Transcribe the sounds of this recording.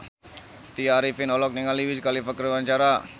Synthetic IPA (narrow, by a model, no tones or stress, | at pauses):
t̪iaɾifinɔlɔk̚niŋaliwiskalifəkəɾwaɲt͡ʃaɾa